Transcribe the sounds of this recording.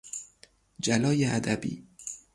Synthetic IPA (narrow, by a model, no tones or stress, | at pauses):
d͡ʒælɒːjeæd̪æbḭː